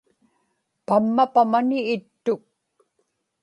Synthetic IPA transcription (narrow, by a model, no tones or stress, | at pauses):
pamːapamanɪːt̪ːʊk̚